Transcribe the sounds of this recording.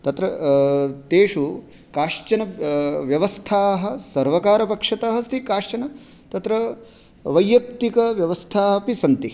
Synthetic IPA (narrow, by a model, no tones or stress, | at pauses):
t̪ɐt̪ɾɐ | t̪eːʂu | kaːʂt͡ʃɐnɐʋjɐʋɐst̪ʰaːɦɐ̆sɐɾʋɐkaːɾɐpɐkʂɐt̪ɐɦɐst̪ʰikaːʂt͡ʃɐnɐ | t̪ɐt̪ɾɐ | ʋɐjːɐk̚t̪ikɐʋjɐʋɐst̪ʰaːɦɐpisɐnt̪i